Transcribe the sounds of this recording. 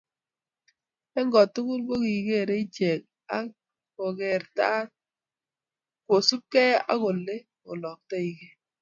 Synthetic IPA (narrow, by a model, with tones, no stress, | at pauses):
ɛ˦ŋɡɔ˨tːu˦ku˦lbo˦ki˨ke˦˨ɾe˦i˦t͡ʃɛ˨k̚ | a˦ | ko˨kɛ˨ɾta˦t̚ | kwo˨su˦p̚kɛ˦a̰˦ko˨le˦ | o˨lɔ˨k̚tɛ˦i˨ke˦